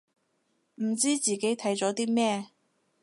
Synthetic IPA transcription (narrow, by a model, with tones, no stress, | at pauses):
m̩˨˩t͡siː˥t͡siː˨ke˨˥jt̪ʰɐ˨˥jt͡sɔː˨˥t̪iː˥mɛː˥˧